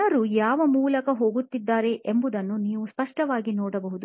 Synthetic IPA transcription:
ɐɾujaːʋɐmuːlɐkɐɦo̞ːɡut̪ːid̪ːaːɾe̞ʔembud̪ɐnːuniːʋuspɐʂʈɐʋaːɡinoːɽɐbɐɦud̪u

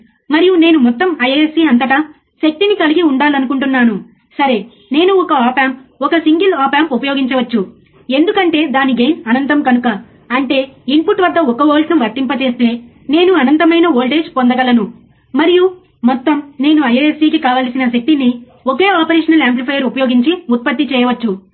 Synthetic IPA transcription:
mɐɾijune̞ːnumɔt̪ːɐmɐjeesiːɐnt̪ɐʈɐ | ʃɐk̚t̪inikɐliɡiuɳɖaːlɐnukuɳʈunːaːnu | sɐɾe̞ | ne̞ːnuɔkɐaːpaːmpɔkɐsiŋɡilaːpaːmpupɐjoːɡiɲt͡ʃɐʋɐt͡ʃːu | e̞nd̪ukɐɳʈe̞ːd̪aːniɡe̞ːmɐnɐnt̪ɐmkɐnukɐ | ɐɳʈe̞ːimpuʈʋɐd̪ːɐɔkɐʋoːlʈnɐmʋɐɾʈ̪ːimpɐt͡ʃe̞ːst̪e̞ː | ne̞ːnuɐnɐnt̪ɐmɐjnɐoːlʈeːʃpond̪ɐɡɐlɐnu | mɐɾiju | mɔt̪ːɐmne̞ːnuɐjeesiːkikaːʋaːlsinɐʃɐk̚t̪ini | oke̞ːaːpɐɾeːʂɐnɐleːmplipʰɐjɐɾupɐjoːɡiɲt͡ʃiut̪̚pɐt̪ːit͡ʃɛːjɐʋɐt͡ʃːu

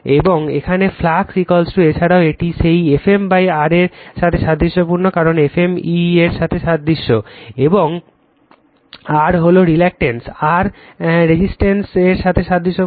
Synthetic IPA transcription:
eboŋḛkʰaneflaksikɔlsʈuet͡ɕʰaɽaoeʈiʃejefembajaɾeɾʃat̪ʰeʃad̪ʱːiʃːopuɾnokaɾonefemieɾʃat̪ʰeʃad̪ːiʃːoeboŋ | aɾɦoloɾilɛk̚ʈensaɾɾed͡ʑisʈenseɾʃat̪ʰeʃad̪ʱːiʃo

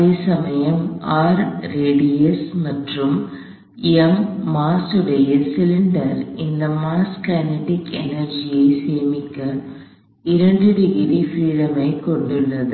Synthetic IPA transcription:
esɐmɐjɐmaːɾːeːɽiɛsmɐʈrɯm | ɛmːaːsɯɽɐjɪlsɪlɪɳɖɐɾɪnd̪ɐmaːskɐnɐʈɪkɛ̰nɐɾd͡ʒɪjɐɪseːmɪkːɐ | ɪɾɐɳɖɯɽɪɣɪɾifɾiːɽɐmɐɪkɔɳɖɯɭːɐðɯ

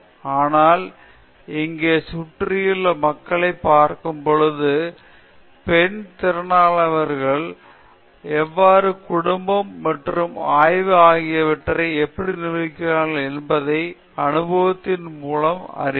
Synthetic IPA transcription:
aːnaːl | ɪŋɡeːsʊʈrɪjɪlːɐmɐkːɐɭɐɪpːaːɾkɯmpɔɻɯðɯ | pɛnt̪ɪɾɐnaːɭɐʋɐɾɣɐɭ | ɛʋːaːɾɯkʊɽʊmbɐmːɐʈrɯmaːjʋɯaːɣɪjɐʋɪʈːrɐɪɛpːɐɽinɪʋɪkːɪɾaːɣɐlɛnbɐðɐɪ | ɐnɯbɐʋɐt̪ːɪnmuːlɐmɐ̰ɾɪ

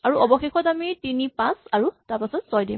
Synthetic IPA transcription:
aɹuʔɔbɔxexɔtamitinipãsaɹutaɹpasɔtsɔjdim

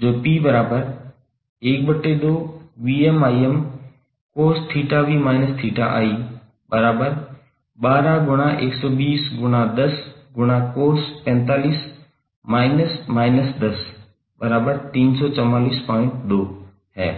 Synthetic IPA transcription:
d͡ʑoːpiːbɐɾaːbəɾ | eːk̚bɐʈːed̪oːʋiːemaːiem | koːɾst̪ʰiːʈaʋiːmaːɪnəst̪ʰiːʈa̰ʔa̰ːiː | bɐɾaːbəɾ | ɓaːɾaɡʊɽ̃aʔeːksɔːɓiːsɡʊɽ̃ad̪ɐsɡʊɽ̃akoːɾspɛ̃ːnt̪aːliːs | maːɪnəsmaːɪnəsd̪ɐs | bɐɾaːbəɾt̪iːnsɔːt͡ɕɐmaːliːspɔ̃ːɪ̃ɳʈɗ̪oː | ɦɛ̰ː

